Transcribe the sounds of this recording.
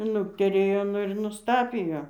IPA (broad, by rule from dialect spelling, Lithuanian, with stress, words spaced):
ˈnʊktʲɛrʲeːjoː ˈnʊ ɪr nʊsˈtɑːpʲɪjoː